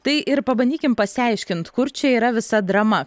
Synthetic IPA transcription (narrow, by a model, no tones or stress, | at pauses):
t̪ɐɪʔɪɾpɐbɐnʲd̪ʲiːkʲɪmpɐsʲɪɛˑɪʃʲkʲɪnt̪kʊɾt͡ʃʲɛiːɾɐʋʲɪsɐd̪ɾɐmɐ